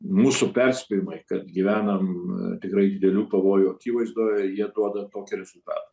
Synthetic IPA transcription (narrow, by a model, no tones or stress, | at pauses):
muːsʊpʲɛrʲsʲpʲɪjɪmɐɪkɐt̪ɡʲiʋʲæːnɐmt̪ʲɪkrɐɪd̪ʲɪd̪ʲɛlʲuːpɐʋoːjuɐkʲiːʋɐɪzd̪oːjɛjiɛd̪uɔd̪ɐt̪oːkʲɪɾʲɛzʊlˠt̪ɑ̰ːt̪ɐ